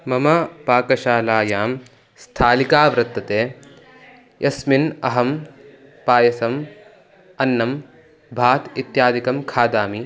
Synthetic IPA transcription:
mɐmɐpaːkɐʃaːlaːjaːm | st̪ʰaːlikaːʋɾɐt̪ːɐt̪eː | jʔɐsminɐ̰ɦɐm | paːjɐsɐm | ɐnːɐm | bʱaːt̪it̪jaːd̪ʱikɐmkʰaːd̪aːmi

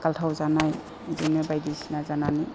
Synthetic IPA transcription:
kaltʰawzanaj | zinmɛbajdisinazanani

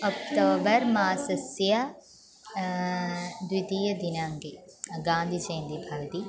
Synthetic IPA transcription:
ɔk̚t̪oːbɐɾmaːsɐsja | d̪wid̪iːjɐd̪inaːŋɡeɡãːnd̪ʱid͡ʒɐ̃ːnd̪ibʱaːɡt̪iː

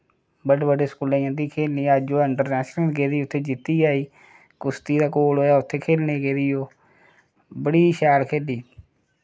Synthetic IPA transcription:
bəɖeːbəɖeːskulãːjãːt̪iːkʰeːlniːaːd͡ʒoːɪɳʈəɾnɛːsnə̃ːʈɡeːd̪iːʊt̪ʰːeːd͡ʒɪt̪ːiːaːiː | kʊst̪iːd̪aːkoːlɦoːjaːʊt̪ʰːeːkʰeːlneːɡeːɾiːoː | bəɽiːʃaːlkʰeːliː

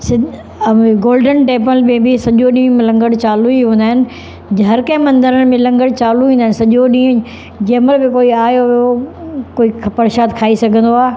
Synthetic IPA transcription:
sɪ | ɡoːlɖənʈeːpəlmẽbɪsɐʄoɗĩːmẽlɐ̃ŋɡəɽt͡ɕaːluiɦũːn̆d̪aːɦɪnɪ̆ | d͡ʑɦɐɾkɐ̃mɐ̃nd̪əɾənmẽlɐ̃ŋɡəɽt͡ɕaːluĩːnd̪aɦɪnɪsɐʄoɗĩː | d͡ʑeːməlbɪkoːiaːjoʋjokoːikʰpɐɾʃaːt̪kʰaːisɐɡʱə̃nd̪oaː

